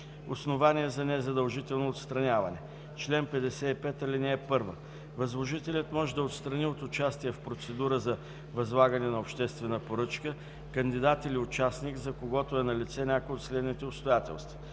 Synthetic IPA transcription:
osnovaniɛzɐnɛzɐd̪ɐlˠʒit̪ɛlˠnoːt̪st̪ɾɐnʲavɐnɛ | t͡ʃlɛnpɛd̪ɛsɛipɛt̪ɐlʲɛnɛːpɤɾvə̰ | vɐzlˠoʒit̪ɛlʲɐt̪mɔʒɛd̪ɐot̪st̪ɾɐniot̪ʊt͡ʃast̪ijɛfpɾot̪sɛd̪uɾəzɐ | vɐzlˠaɡɐnɛnɐopʃt̪ɛst̪vɛnəpoɾɤt͡ʃkə | kɐnd̪id̪at̪iliʊt͡ʃasnikzɐkoɡɔt̪ʊɛnɐlit̪sɛnʲakojot̪slɛd̪nit̪ɛopst̪ojat̪ɛ̰lˠst̪və

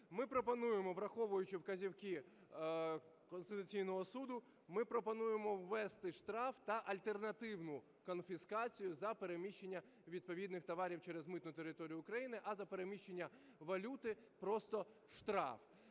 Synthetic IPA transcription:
mɪpɾɔpɔnujemɔʋɾɐxɔʋʊjʊt͡ʃɪwkɐzʲiwki | kɔnst̪ɪt̪ʊt͡sʲijnɔɦɔsud̪ʊ | mɪpɾɔpɔnujemɔwːɛst̪ɪʃt̪ɾɑft̪ɐʔɐlʲt̪ernɐt̪ɪwnʊ | kɔnfʲiskɑt͡sʲijʊzɐpeɾemʲiʃt͡ʃːenʲːɐ | ʋʲid̪̚pɔʋʲid̪nɪxt̪ɐʋɑɾʲiwt͡ʃɛɾezmɪt̪nʊt̪eɾɪt̪ɔɾʲijʊːkɾɐjinɪʔɐzɐpe̞ɾemʲiʃt͡ʃenʲːɐ | ʋɐlʲut̪ɪpɾɔst̪ɔ | ʃt̪ɾɑ̰f

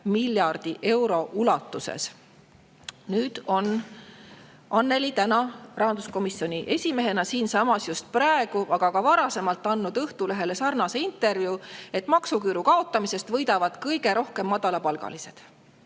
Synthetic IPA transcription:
milʲjɑrd̪̥iʔe̞wɾo̞ʔulɑt̪ːˑusḛs | nyːd̪̥o̞n | ʔɑnːe̞lit̪ænɑrʔɑɦɑnd̪̥usko̞misːjo̞nʲiʔe̞sʲime̞ɦe̞nɑsiːnsɑmɑsjust̪̚pɾɑe̞ɡ̥uʔɑɡ̥ɑɡɑvɑɾɑse̞mɑlt̪ːˑɑnːud̪ɤht̪uleɦe̞le̞sɑrnɑse̞int̪ːˑe̞rvjue̞t̪ːˑmɑksukyːɾukɑo̞t̪ːˑɑmise̞st̪vɤjd̪̥ɑvɑd̪̥kɤjɡe̞ɾʔo̞hke̞mːɑd̪̥ɑlɑpɑlɡ̥ɑ̰lise̞d̪̥

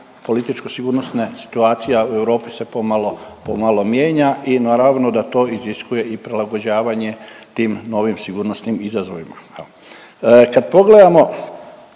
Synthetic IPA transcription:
po̞lit̪it͡ʃkosiɡuɾnosnesi̥t̪uaːt̪sijaue̞ʋɾo̞ːpise̞pomalo̞pomalo̞mjeːɲaʔinaːɾaʋnod̪at̪o̞ːiziskuje̞ipɾelaɡod͡ʑaːʋaɲe̞t̪iːmno̞ʋimsiɡuɾnosnimizazoʋima | kad̪po̞ɡle̞d̪amo̞

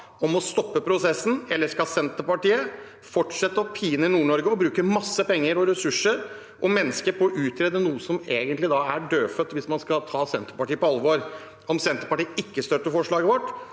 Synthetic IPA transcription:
ɔmɔst̪ɔpːəpʰɾʊsɛsn̩ɛlːəʂkɑsɛnt̪əpɑʈiːə | fɔʈʂɛt̪ːəɔpʰiːnəɪnuːɳɔɾɡəɔbɾʉːkəmɑsːəpɛŋːəɾɔɾɛsʉʂəɾ | ʔɔmɛnːəskəɾpʰɔʔʉːt̪ʰɾɛːd̪ənuːəsɔmeːɡənt̪lɪd̪ɑæɖøːfœt̪ːʋɪsmɑnskɑt̪ʰɑːsɛnt̪əɾpɑʈiːəpɔɑlʋoːɾ | ɔmsɛnt̪əɾpɑʈiːəɪkːəst̪œʈ̪ːəfɔʂɭɑːɡəʋɔʈː

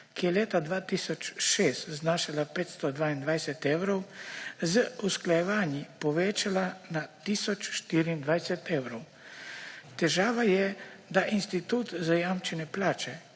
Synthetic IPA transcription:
kijɛleːt̪ad̪ʋaːt̪iːsɔt͡ʃʃeːst̪znaːʃalapeːt̪st̪ɔd̪ʋaːind̪ʋajsɛt̪ɛwɾɔwzəusklajɛʋaːnjipɔʋeːt͡ʃalanat̪iːsɔt͡ʃʃt̪iːɾiːnd̪ʋajsɛt̪ɛːwɾɔw | t̪ɛʒaːʋajɛ | d̪aʔinst̪it̪uːt̪zajamt͡ʃɛnɛplaːt͡ʃɛ

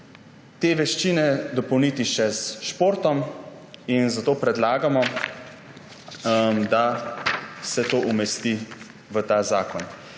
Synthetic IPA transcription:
t̪eːʋɛʃt͡ʃiːnɛd̪ɔpɔwnit̪iʃɛzʃpoːɾt̪ɔm | inzat̪oːpɾɛd̪laːɡamɔ | md̪a | sɛt̪oʔumɛst̪i | ʋət̪aːzaːkɔn

